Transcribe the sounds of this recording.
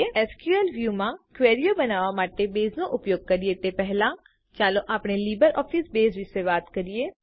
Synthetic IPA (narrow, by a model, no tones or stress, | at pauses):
eɛːskjuelʋjuːmãkʋeːɾijobənaːʋamaːʈebeːznõʔʊpjoːɡ̚kəɾiet̪epɛɦlã | t͡ʃaːloʔaːpɳeliːbəɾɔːpʰisbeːzʋɪsebaːt̪kəɾieː